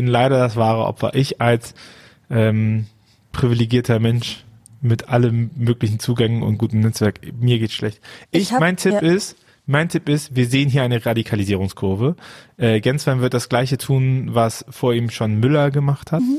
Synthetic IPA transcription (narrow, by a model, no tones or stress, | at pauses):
b̥ɪnlaɪɾɐdasv̥aːʁ̞ə̰ʔɔ̰pfɐ̰ʔɪçʔals | ʔɛːm | pʁ̥ivileɡiːɐtʰɐmɛnʃ | mɪtʔalənmøːklɪç̬n̩t͡suːɡɛŋənʊ̰ntɡ̥uːtəmnɛt͡sv̥ɛɐkmiːɐɡeːtʃlʔɛçtʔɪçmaɪntʰɪpɪst | maɪntʰɪpɪstv̥iːɐzeːənɦiːɐʔaɪnəʁadikʰaliziːʁ̞ʊŋskʰʊɐvəʔɛːɡɛnsv̥ɛɐmvɪɐt̚d̥asɡ̥laɪçətʰuːnvasfoːɐiːmʃonmʏlɐɡəmaχthat